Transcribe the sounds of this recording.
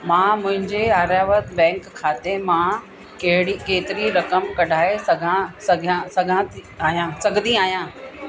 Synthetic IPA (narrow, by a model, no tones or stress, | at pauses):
mãːmʊ̃ɦɪ̃ɲd͡ʑeaːɾjaːʋət̪bɛ̃ːŋkʰːaːt̪emã | kɐɦɪɽikeːt̪ɪɾiɾɐkəmkɐɖʱaːesɐɡʱãsɐɡʱãsɐɡʱãt̪i | aːɦijãsɐɡʱd̪ĩaːɦijãː